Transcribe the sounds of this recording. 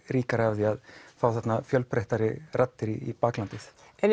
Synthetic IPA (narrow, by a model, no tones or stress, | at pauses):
ɾiːkaɾhavðɪaðfaːwθat̪nafjœlpʰɾɛht̪aɾɪrʔat̪ːɪɾɪipaːklant̪ɪs | ɛn